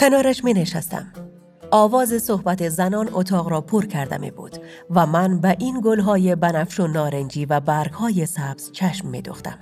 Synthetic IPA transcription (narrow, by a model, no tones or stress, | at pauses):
kʰenɒːɾæʃmineʃæ̰st̪æ̰m | ɒːvɒːzesohbæt̪ʰezænɒːnot̪ʰɒːɣɾɒːpʰoɾkʰæɾd̪æ̰mḭbṵd̪̥ | væmænbæʔiːnɡolɦɒːjebænæfʃonɒːɾend͡ʒiːvæbæɾɡ̥hɒːjesæb̥z̥t͡ʃʰæʃmːḭd̪oxt̪æ̰m